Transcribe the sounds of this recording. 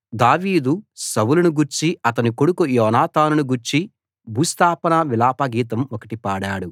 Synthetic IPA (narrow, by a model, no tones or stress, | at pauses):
d̪aːʋiːd̪usɐwulɐnuɡuɾt͡ʃiɐt̪̬ɐnikoɽukujɔːnaːt̪ʰaːnunuɡuɾt͡ʃi | bʱuːst̪aːpɐnɐʋilaːpɐɡiːt̪̬ɐmɔkɐʈipaːɽaːɽu